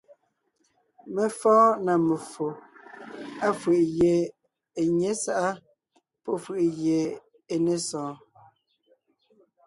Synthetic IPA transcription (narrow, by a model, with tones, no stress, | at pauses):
me˨fɔ̃ː˦na˨me˨fo˨ | a˦fɯ˨ʔɣje˨ | e˨ɲe˨˦sa˦ʔa˦ | pɔ˦˨fə˨ʔje˨ | e˨ne˦sɔ̃ː˨˦